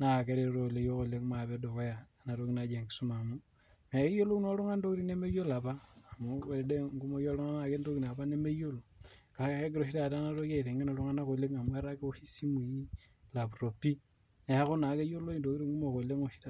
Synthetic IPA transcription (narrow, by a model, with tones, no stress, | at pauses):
na˦a˨ke˦ɾe˨ɾo˨le˦jo˦ko˨le˦kma˨βe˦do˨ko˦ja˨ | na˨ɾo˦ki˦na˦d͡ʒa˨ŋɡi˨su˦ma˨mu˦ | na˨e˦jo˦lo˦u˦no˦lo˦ŋa˦ndo˦ki˦ɾi˦ne˦me˦jola˨βa˦˨mo˦e˨e˨de˦ŋɡu˦mo˦jo˦lu˦ŋa˦na˨ke˦ndo˦ki˨na˨βa˦ne˦me˦jo˦lo˨ka˨e˦ɡe˦ɾo˨ʃi˦ta˨t̬a˦na˦ɾo˦ke˦˨ɾe˨ŋɡe˦no˨lu˦ŋa˦na˦ko˨le˦ŋa˨mwe˦ɾa˦ke˦u˦ʃi˦si˦mi˨i˦la˨βuro˨pi˦ | ne˨a˦xo˦na˨ke˦jo˦lo˦i˨ndo˨ki˦ɾi˦ŋɡu˦mo˨ko˨le˦ŋo˨ʃi̥ta˨